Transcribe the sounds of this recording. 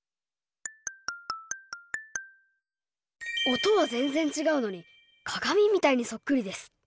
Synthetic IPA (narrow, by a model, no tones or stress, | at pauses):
o̞t̪o̞βazẽ̞nd͡zẽ̞ɲt͡ɕiɡaɯ̟no̞ɲ̟i | kʰaɡamʲimʲːit̪aiɲ̟iso̞kːɯ̟ɾʲid̪e̞sɨ̥